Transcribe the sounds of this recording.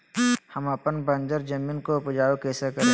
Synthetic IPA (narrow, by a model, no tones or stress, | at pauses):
həmɐpənbə̃nd͡ʒəɾd͡ʒəmiːnkoʊpd͡ʒaːokeːsekə